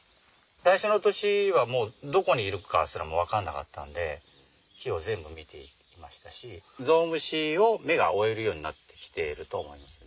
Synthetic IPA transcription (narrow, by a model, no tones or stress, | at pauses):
d̪aiɕo̞not̪o̞ɕiβamo̞ːd̪o̞ko̞ɲ̟iːɾɯ̟ka̰sɨɾamo̞β̞akãnːaka̰t̪ːa̰nd̪e̞ | çʲio̞zẽ̞mbɯ̟mʲit̪ʰe̞̰ | imaɕi̥t̪aɕizo̞ːmɯ̟ɕio̞me̞ɡa̰o̞e̞ɾɯ̟jo̞ːɲ̟inat̪ːe̞̥kʲi̥t̪e̞ɾɯ̟t̪o̞ːmo̞imasɨ̥n